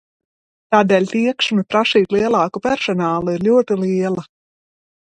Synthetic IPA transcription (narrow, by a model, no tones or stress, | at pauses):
t̪aːd̪ɛːlʲt̪iɛkʃmɨpɾaʃiːt̪lˠiɛlˠɑːkupɛɾsɔnaːlˠuiɾlʲuɔt̪iliɛlˠɐ